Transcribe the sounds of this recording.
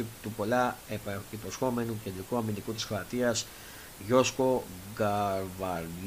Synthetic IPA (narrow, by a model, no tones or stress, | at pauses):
it̪upo̞lɐepɐcit̪osxo̞me̞nuce̞nd̪ɾikuɐmind̪ikut̪isxɾoɐt̪iɐs | ʝo̞sko̞ɡɐɾvɐɾ